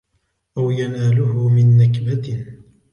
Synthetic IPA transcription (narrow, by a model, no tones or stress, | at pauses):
ʔawjanaːlʊhʊmɪnːɪkbat̪